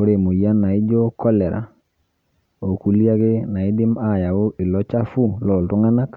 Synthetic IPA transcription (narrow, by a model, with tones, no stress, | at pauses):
o˦ɾe˨mo˨ja˦na˨i˦d͡ʒo˦kʰɔ˦lɛ˨ɾa̰˨ | o˨ku˦li˦a˦ɣe˦na˨i˦dɪ˦ma˦˨ja˨o˦ʔɪ˨lɔ˦t͡ʃa˦fu˦lɔ˨lto˦ŋa˦na˦k